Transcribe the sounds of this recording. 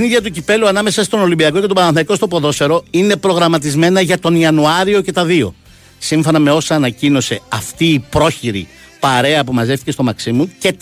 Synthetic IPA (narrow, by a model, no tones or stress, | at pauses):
iniðʝɐt̪̬ucipe̞luɐnɐme̞sɐst̪o̞no̞limbiɐko̞ce̞t̪o̞bɐɾɐnθɐiko̞st̪opo̞ðo̞se̞ɾo̞ine̞pɾo̞ɣɾɐmɐt̪izme̞nɐʝɐt̪o̞niɐnuɐɾio̞ce̞t̪ɐðio̞̰ | siɱfo̞nɐme̞o̞sɐːnɐcino̞se̞ɐft̪iːpɾo̞çiɾḭ | pɐɾe̞ɐpumɐze̞ft̪iceso̞mɐksimuce̞t̪